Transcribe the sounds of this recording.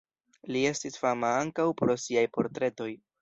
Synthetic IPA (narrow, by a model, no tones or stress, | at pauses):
lie̞stisfamaaŋkawpɾo̞siajpo̞ɾtɾe̞to̞j